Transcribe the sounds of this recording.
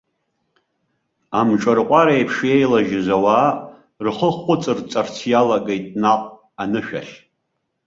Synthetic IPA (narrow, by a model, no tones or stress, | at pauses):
amʈ͡ʂʼarqʷʼaɾaejpʰʂejlaʒɪzʷawaː | rχəχʷʼʊt͡sʼɨrt͡sʼart͡sʰjalaɡejtʼnaqʼ | anɨʃᶣa̰ɬʲ